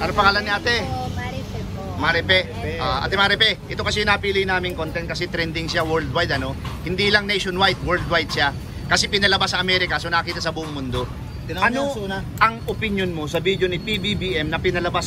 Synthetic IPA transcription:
pɐɾopɐŋaːlanːɪat̪ɛɾ | maɾɛpɛ | ʔaʔɐ̰t̪ɛmaɾɛpɛʔɪt̪o̞kɐsɛɪnaːpiːlɪjnaːmɪŋkont̪ɛnt̪̚kɐsɛt̪ɾɛnd̪ɪŋsawɛld̪wajd̪ɐno̞hɪnd̪iːlɐŋnejʃonwajt̪̚wɛɾld̪wajd̪̚ʃa | kɐsɛpɪnɐlɐbasːɐʔɐmɛːɾɪkɐso̞nɐkɐkiːt̪ɐsɐbuːʔʊŋmʊnd̪o̞ | ʔɐnoʔɐŋʔopɪnjonmo̞sɐbid̪jo̞nɪpibibiʔɛmnɐpɪnɐlɐbas

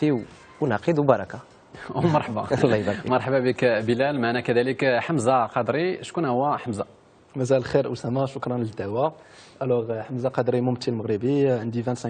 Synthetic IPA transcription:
iw | wnɑqəd̪wbɑɾˤɑka | mɑɾˤħbalˤːɑjbɑɾmɑɾˤħbabəkbəlælmaʕnækæd̪æləkħəmzaqɑd̪ɾiʃkunhʊwːæħəmza | mæzælxiɾʔsæmæʃʊkɾˤɑnləd̪ːæwæ | ʔælæʁħəmzaqɑd̪ɾimʊmt̪ːilməɣɾibiʕənd̪ivænt̪sæ̃

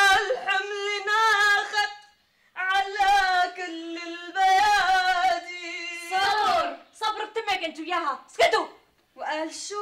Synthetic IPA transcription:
lħamlinaxad̪ | ʕalakʊlːɪlbajad̪isɑɾsˤɑbɾt̪ːɪmekɪnt̪ʊwjaːɦasɡɪt̪u | wʔaːlʃ

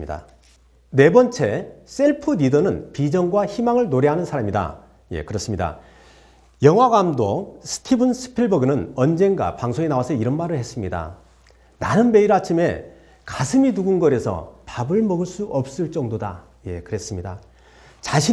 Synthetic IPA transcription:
da̰ | ne̞bʌnt͡ɕʰe̞s͈e̞ɭpʰɯnidʌnɯnpid͡ʑʌŋɡwaçimaŋɯɭnoɾeɦanɯnsʰaɾamida̰ | je̞̰kɯɾʌs͈ɯmɲida̰ | jʌŋɦwaɡamdosʰɯ̥tʰibɯnsʰɯ̥pʰiɭbʌɡɯnɯnʌnd͡ʑe̞ŋɡwa̰paŋsʰoŋenawasʰʌiɾʌnmaɾɯɭhes͈ɯmɲida̰ | nanɯnme̞iɾat͡ɕʰime̞ | kasʰɯmiduɡunɡʌɾe̞sʰʌ̰pabɯɭmʌɡɯɭs͈uʔʌp̚s͈ɯɭt͡ɕ͈ʌŋdoda | je̞kɯɾe̞s͈ɯmɲida̰ | t͡ɕaɕʰi

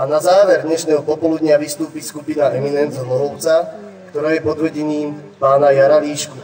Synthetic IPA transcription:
anazaːʋɛɾd̪ɲɛʃnɛːɦɔpɔpɔlud̪ɲɪaʋist̪uːpiːskupinaɛminɛnzzlɔɦɔʊt͡sa | kt̪ɔɾaːjɛpɔd̪ʋr̩ɟɛniːmpaːnajaɾaliːʃku

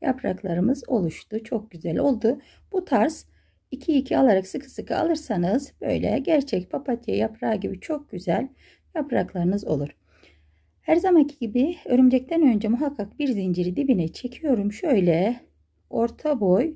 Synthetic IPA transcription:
ja̰pɾa̰klˠaɾɯmɯzo̞̰lˠuʃt̪ut͡ʃʰo̞k̚ɟyzælʲo̞̰lˠd̪u | b̥ut̪ʰaɾs | icʰiːcʰialˠaɾaksɯkʰɯ̥sɯkʰɯa̰lˠɯɾsanɯzb̥ø̰jlʲɛ̰ɟæɾt͡ʃʰɛc̚pʰapʰat̪ʰijɛ̰japʰɾaːɟibit͡ʃʰo̞k̚ɟ̥yzælʲ | japɾa̰klˠaɾɯnɯzo̞̰lˠuɾ̥ | hæɾzamancʰiɟibiø̞ɾymd͡ʒɛc̚t̪ʰænø̞nd͡ʒɛmuɦakʰːak̚biɾzind͡ʒiɾid̪ibinɛt͡ʃʰe̞cʰijo̞ɾumʃø̞jlʲɛ | o̞ɾt̪ʰabo̞j

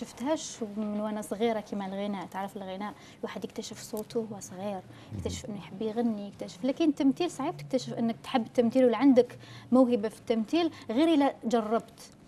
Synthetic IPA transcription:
ʃɪft̪haːʃmɪnwaːnasˤɣiːɾakʰimalɣɪnaːʔt̪ʕɾˤɑfɪlɣɪnaːʔ | waːħɪd̪jɪk̚t̪aʃɪfsˤoːt̪ʰuhwasˤɣiːɾ | jɪkt̪aʃɪ̥fʔɪnːujħɪbːjɣanːijɪkt̪aʃɪ̥flaːkɪnt̪ːamt̪iːlsˤɑʕiːb̚t̪ɪ̥k̚t̪aʃɪfʔɪnːɪk̚t̪ħɪbːt̪ːamt̪iːlwlːiʕand̪ɪkmʊwhɪbafi̥t̪ːamt̪iːlɣiːɾilad͡ʒɑrˤːɑbt̪

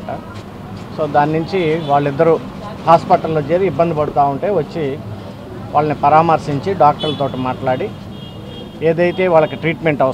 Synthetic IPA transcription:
ʈa | so̞ːd̪aːnnuɲt͡ʃiʋaːɭːid̪ːɐɾu | haːspɐʈɐlːoːt͡ʃeːɾiːbːɐnd̪ipɐɽut̪aːuɳʈe̞ːʋɐt͡ʃːi | ʋaːɭːɐnipɐɾaːmɐɾʂiɲt͡ʃiɖaːk̚ʈɐɾlɐt̪o̞ːʈimaːʈlaːɽi | eːd̪ɐjt̪e̞ːʋaːɭːɐkiʈɾiːʈme̞ɳʈɐɐ

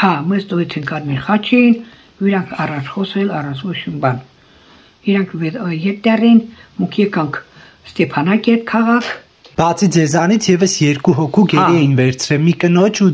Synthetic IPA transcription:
hɑmɛzt̪ɔɛt͡s̪ʰɛŋkʰɑɾmiɾχɑt͡ʃʰɛjin | uiɾɑŋkʰɑrɑnt͡ʃʰχɔsɛlɑrɑnt͡sʰvɔt͡ʃʰimbɑn | iɾɑŋkʰvɛjɛt̪̚ːɛrɛjinmɔŋkʰjɛkɑŋkʰ | st̪ɛpʰɑnɑkɛɾt̪̚kʰɑʁɑkʰ | b̥ɑt͡sʰid͡zɛzɑnit͡sʰjɛvəsjɛɾkuɦɔkʰuɡɛiɛjinvɛɾt͡sʰɾɛlmikənɔt͡ʃʰu

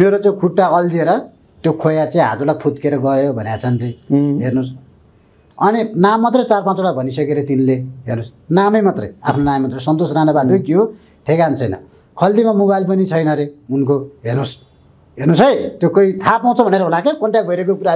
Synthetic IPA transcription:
meɾot͡sãkʰuʈːaʌld̪ieɾʌ | t̪jokʰojat͡saĩɦa̰d͡zurlapʰut̪keɾʌɡʌjobʱʌnjat͡sʰʌnt̪ʌɦernus | ʌninamːʌt̪rʌjt͡sarpãt͡soɽabʱʌnisʌkeɾʌt̪inleɦḛrnus | namʌjmat̪rʌja̰pʰnonamemʌt̪rʌjsʌnt̪osranʌbaʈʌkjo | t̪ʰekant͡sʰʌjnʌ̰ | kʰʌld̪imamobajlp̬ʌnit͡sʰʌjnʌɾeunkoɦernus | ɦernusʌjt̪jokʌit̪ʰapaw̃t͡sʰʌbʱʌneɾʌɦulakekʌɳʈjak̚bʱʌjɾekokuɾa

